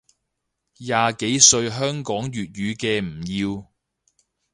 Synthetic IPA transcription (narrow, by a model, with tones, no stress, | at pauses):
jaː˨˧ke˨˥jsɵ˧ɥɦœː˥ŋkɔː˨˥ŋjyː˨t̚jyː˨˧kɛː˧m̩˨˩jiː˧w